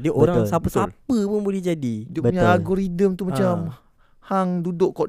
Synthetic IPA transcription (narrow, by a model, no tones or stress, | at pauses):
diʔoɾasapəsapəpʊnbolɛhd͡ʒadidəbəuɲaaɡoɾidəmt̪umat͡ʃam | haŋdudʊʔkɔ